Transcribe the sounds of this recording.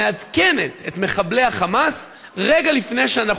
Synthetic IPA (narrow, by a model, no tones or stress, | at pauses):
ead̪ke̞ne̞t̪e̞t̪me̞χable̞jhaχamas | ʁe̞ɡalifne̞jʃeanaχ